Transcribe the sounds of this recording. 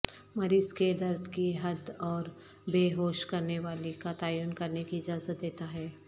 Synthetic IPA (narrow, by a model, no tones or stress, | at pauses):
mɐɾiːzked̪ɐɾd̪ʱkiɦɐd̪ɔːɾ | beːɦoːʃkɐɾneʋaːlikat̪aːjʊnkɐɾnekiɪd͡ʒaːzət̪̚d̪eːt̪aɦɛː